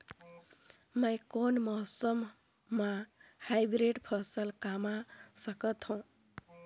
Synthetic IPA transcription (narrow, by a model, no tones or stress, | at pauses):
məjkonmɔɦsəmː | ahajbɾeɖpʰʌsəlkamasəkət̪ɦũ